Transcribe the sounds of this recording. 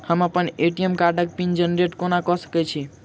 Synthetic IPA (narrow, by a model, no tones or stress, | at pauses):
həməpəneʈijəmkaɾɖək̚pind͡ʒənɾeʈkonakɔsə̥kɛt͡ʃʰi